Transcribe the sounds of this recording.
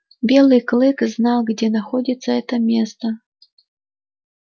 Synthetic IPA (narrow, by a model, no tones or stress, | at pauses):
bʲelˠɨjklˠɨkznɑlˠɡd͡zʲɛnaxɔdʲit̪səɛt̪əmʲɛst̪ə